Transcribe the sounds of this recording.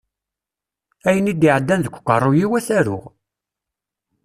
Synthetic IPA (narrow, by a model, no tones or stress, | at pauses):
æjənid̪iʕəd̪ːænðəkʷːkːərˤːujiwæθæɾʊ̰ʁ